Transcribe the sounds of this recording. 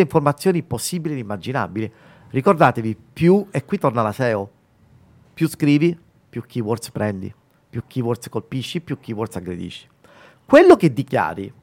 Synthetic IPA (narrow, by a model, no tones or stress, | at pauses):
eiɱformat̪sːjoːniposːiːbilied̪imːad͡ʒina̰bili | rikord̪aːt̪evipjuekːwit̪ːornalasɛːo | pjuskɾiːvi | pjukʰːiwɔrt̪spɾɛnd̪ḭ | pjukːiːwɔrt̪skolpiʃːipjuk̟ːiːwɔrt̪saɡɾḛd̪ḭʃːi̥ | kwelːoked̪ːikja̰ːɾḭ